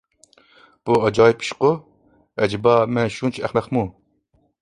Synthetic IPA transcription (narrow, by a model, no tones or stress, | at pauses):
b̥uɑd͡ʒɑːjipʰi̥ʃqo | ɛd͡ʒibɑmɛnʃunt͡ʃʰæχnɛχmu